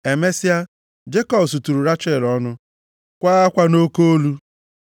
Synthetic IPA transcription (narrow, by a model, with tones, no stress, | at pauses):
e˨me˦si˦a˦ | d͡ʒe˦kɔ˦bs̬u˨tu˨ɾu˨ɾa˦t͡ʃe˦˨lɔ˦nʊ˦ | kʷaː˦a˦kʷa˦no˦ko˦o˦lu˦